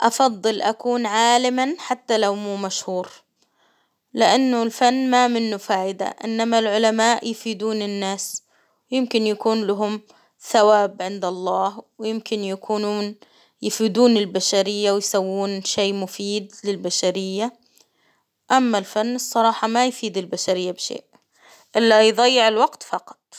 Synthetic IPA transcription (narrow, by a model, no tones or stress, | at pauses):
ʔɑfɑðˤːɨlʔakuːnʕaːlɪmanħat̪ːalawmuːmaʃhuːɾ | lɪʔanːʊlfanːmamɪnːʊfaːʔɪd̪a̰ʔɪ̰nːamalʕʊlamaːʔjɪfid̪uːnɪnːaːs | wjɪmkɪnjakuːnlaɦʊm | θawaːbʕɪnd̪ɑlˤːɑːhwɪjɪmkɪnjakʰuːnuːn | jɪfid̪uːnɪlbaʃaɾɪjːawɪjsawːuːnʃeːmʊfiːd̪lɪlbaʃaɾɪjːa | ʔamːalfanːɨsˤːɑɾˤɑːħɑmajfiːd̪ɪlbaʃaɾɪjːabʃḛːʔ | ʔɪlːajd̪ˤɑjːɪʕɪlwɑɡt̪fɑqɑ̥t̪ˤ